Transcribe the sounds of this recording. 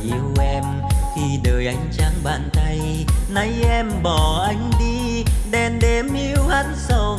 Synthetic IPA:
ʔi˨˦əwʔɛ˧m | xi˧ɗəː˨˩jʔa˨˦jŋ̟t͡ɕaː˨˦ŋɓa̰ː˧˨nt̪a˧j | na˨˦jʔɛ˧mɓɔ˨˩ʔa˨˧˩jŋ̟ɗi˧ | ɗɛ˧nɗe˨˦mʔi˨˦əwha˨˦˥nsə˧w

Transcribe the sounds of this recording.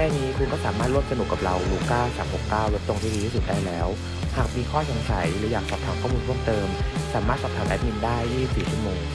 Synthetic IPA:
kɛː˥˩niː˦˥kʰu˧nkɔː˥˩saː˩˦maː˥˩ɾu˥˩msa˧nu˨˩kːa˨˩p̚ɾa˧wluː˧kaː˥˩saː˩˦mho˨˩kːaː˥˩wle˦˥p̚t̪o˧ŋt̪ʰiː˥diː˧iː˥˩su˨˩t̪̚daː˥˩jlɛː˦˥w | haː˨˩k̚miː˧kʰɔː˥˩t͡ɕʰa˧ŋsʰa˨˩˦jlɛ˩˦˥jaː˨˩k̚sʰɔː˨˩p̚t̪ʰaː˩˦kɔː˥˩miː˧ɾʰu˥˩mt̪ɤː˧msaː˩˦maː˥˩t̪sɔː˨˩t̪ʰaː˩˦mʔɛ˦˥p̚ni˧ndaː˥˩jːiː˥˩si˨˩p̚siː˨˩t͡ɕʰu˥˩moː˧ŋ

